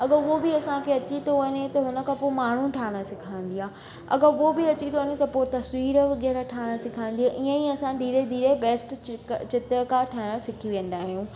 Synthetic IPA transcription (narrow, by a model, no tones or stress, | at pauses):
ɐɡəuobiɐsãkʰeɐt͡ɕit̪ʰoʋɐɲet̪ɐɦʊnə̆kʰãːpomaːɳ̤ũʈʰaːɽ̃asɪkʰãːĩn̆d̪iaː | ɐ̰ɡəobɪɐt͡ɕit̪ʰoəɲet̪ɐpot̪ɐsʋiːɾəʋɪɠɛːɾaʈʰaːɽ̃asɪkʰãːn̆d̪ijaʔiə̃iɐsãd̪ʱiːɾed̪ʱiːɾebɛːsʈt͡ɕɪt̪əkaʈʰaːɽ̃ãsɪkʰiʋẽːn̆d̪aːɦijũː